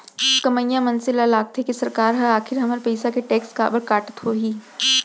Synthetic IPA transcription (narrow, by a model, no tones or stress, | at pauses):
kɐməjːamɐnsɪlalaːɡ̚t̪ʰekesɐɾkaːɾɦɐaːkʰɪɾɦɐməɾpɐjsakeʈeːkska̰ːbəɾkaːʈə̥t̪ɦoːɦiː